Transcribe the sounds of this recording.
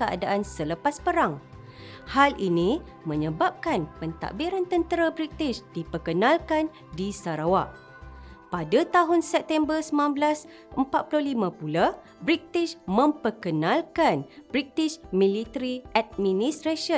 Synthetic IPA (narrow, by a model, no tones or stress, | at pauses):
kəa̰daʔansələpaspəɾaŋ | halʔinĩ | mə̃ɲəbap̚kanpənt̪a̰ʔbiɾant̪ənt̪əɾabɾit̪iʃdipərkənalkan | disaɾawaʔ | padat̪aɦʊnsɛp̚t̪ɛmbərsəmanbəlas | əmpat̪̚pulʊhlimãpula | bɾit̪iʃmə̃mpərkənalkanb̥ɾit̪iʃmĩlit̪əɾiʔɛt̪̚mĩnist̪ɾaʃə